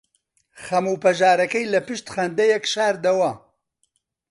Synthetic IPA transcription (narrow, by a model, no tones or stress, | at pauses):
χɐmuːpɐʒaːɾɐkɐjlɐpɨʃt̪χɐnd̪ɐjɛkʃaːɾd̪ɐwɐ